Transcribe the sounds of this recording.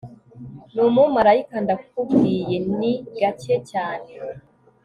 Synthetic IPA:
numumaɾaikandafubɡije̞niɡat͡ʃecaːne̞

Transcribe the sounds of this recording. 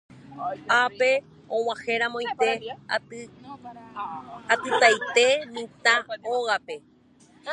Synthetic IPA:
ape̞ | õwahe̞ɾãmoĩt̪e̞ | at̪ɨt̪ajt̪e̞mĩt̪aoɣape̞

